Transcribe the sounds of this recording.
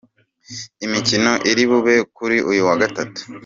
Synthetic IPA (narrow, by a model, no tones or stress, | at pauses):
imicino̞ʔiɾiβuβe̞kuɾiʔujuwaɡatatu̥